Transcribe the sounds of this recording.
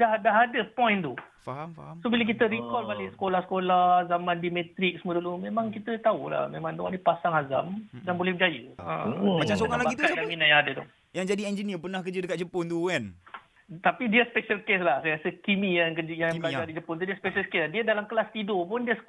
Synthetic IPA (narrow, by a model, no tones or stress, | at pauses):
daɦdaɦadəpɔ̃jnt̪u | faɦamfaasobilək̬it̪əɾikɔlbalisə̥kolahsə̥kolazamãndimet̪ɾɪk̚səmuədulumemãŋkit̪ət̪aula̰hmemãŋd̪ua̰nipasaŋaza̰mdanbolɛhbd͡ʒajəã̰mat͡ʃamsoŋalabaɡikadaminajaŋadət̪ṵ | jaŋd͡ʒadiɛnd͡ʒəniəpərnahkəd͡ʒədəkat̪̚t͡ʃəpʊnt̪ukan | t̪apidiaspeʃəlkes̬lahsajkasəkimijaŋkəd͡ʒəjabəlajd͡ʒadit͡ʃəpʊnt̪udiaspeʃəlkeslahdiədalamkəlast̪idopʊndiəs